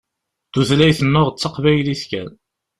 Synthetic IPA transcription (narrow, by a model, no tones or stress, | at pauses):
θuðlæjθəmːʊʁt͡sːɑqvæjliskæ̰n